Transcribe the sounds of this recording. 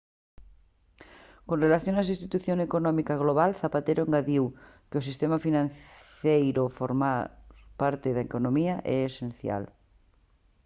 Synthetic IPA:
konrelaθjoŋas̬ist̪it̪uθjoŋekonɔmikaɣ̞loβ̞alθapat̪eɾoeŋɡaðiw | keos̬ist̪emafinãn | ejɾofoɾmapaɾt̪eðaekonõmiaʔɛesenθja̰l

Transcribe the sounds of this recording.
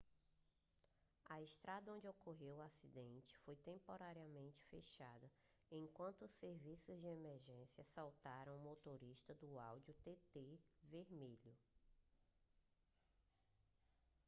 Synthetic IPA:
ɐeʃt̪ɾad̪ɐõnd͡ʒɪokʰoɦewasid̪ẽnt͡ʃɪ̥fojt̪ẽmpoɾaɾiɐmẽnt͡ʃɪ̥feʃad̪ɐẽkwɐ̃nt̪ʊːsːeɾvisʊzd͡ʒɪemeɾʒẽsiɐsawt̪aɾɐ̃w̃mot̪oɾiʃt̪ɐd̪ʊawd͡ʒiʊt̪et̪eveɾmiʎʊ

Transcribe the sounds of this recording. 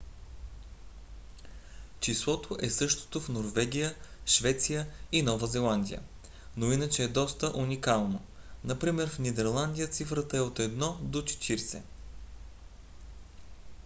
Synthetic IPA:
t͡ʃislˠɔt̪ʰoʔɛsɤʃt̪o̥t̪ofnoɾvɛɡʲijəʃvɛt̪sijəinɔvəzɛlˠand̪ʲijə̰ | noinət͡ʃɛːd̪ɔst̪əʔunikalˠno | nɐpɾimɛɾfnʲid̪ɛɾlˠand̪ʲijət̪sifɾət̪əɛot̪ɛd̪nɔd̪ot͡ʃɛ̥t̪ʰiɾsɛ̰

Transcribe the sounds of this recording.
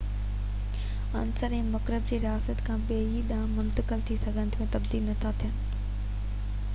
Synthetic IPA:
ɐ̰nsəɾɛ̃ːmɐkɾəb̚d͡ʑeːɾɪjaːsət̪kʰãːɓeːɦiɗ̪ãːmʊ̃nt̪əkəlt̪ʰisɐɡʱə̃nɪt̪ʰːmẽt̪ɐbd̪iːlnɐt̪ʰat̪ʰijən

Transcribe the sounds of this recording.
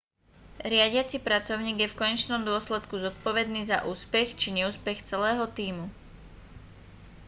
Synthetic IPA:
ɾɪaɟɪat͡sipɾat͡sɔʊɲiːɡjɛfkɔɲɛt͡ʃnɔmd̪ʊɔslɛt̪kuzɔt̪̚pɔʋɛd̪niːzaʔuːspɛxt͡ʃiɲɛuːspɛxt͡sɛlɛːɦɔt̪iːmu

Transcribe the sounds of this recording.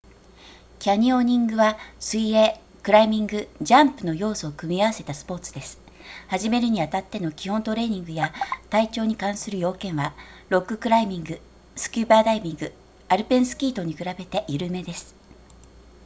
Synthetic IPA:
kʲaɲ̟io̞ɲ̟ĩŋɡɯ̟βasɨieː | kɯ̟ɾaimʲĩŋɡɯ̟d͡ʑãmpɯno̞jo̞ːso̞ːkɯ̟mʲiaβ̞ase̞t̪asɨ̥po̞ːt͡sɨ̥d̪e̞sɨ̥ | haʑime̞ɾɯ̟ɲ̟iat̪at̪ːe̞no̞kʲihõ̞nt̪o̞ɾe̞ːɲ̟ĩŋɡɯ̟jat̪ait͡ɕo̞ːɲ̟ikãɰ̃sɨɾɯ̟jo̞ːkẽ̞ɰ̃βaɾo̞kːɯ̟kɯ̟ɾaimʲĩŋɡɯ̟ | sɨ̥kʲɨːbaːd̪aimʲĩŋɡɯ̟ | aɾɯ̟pẽ̞ɰ̃sɨ̥kʲiːt̪o̞ɲ̟ikɯ̟ɾabe̞t̪e̞ʔiɾɯ̟me̞d̪e̞sɨ̥

